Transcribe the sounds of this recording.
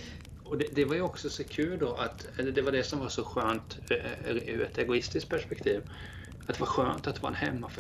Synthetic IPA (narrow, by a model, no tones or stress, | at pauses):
ɔd̪ɛd̪ɛvaɾjɔksɔsɔkʰʉ̟ːld̪ɔʔat̪ | ɛlːd̪ɛvaɖɛsɔmvaʂɔɧøːnt̪ | ʉ̰ɛ̰t̪ɛɡʊɪst̪ɪskt̪̚pʰæʂpɛk̚t̪ʰiːv | at̪d̪ɛvaɾɧøːnt̪at̪vɑːɛ̰nhɛmːaf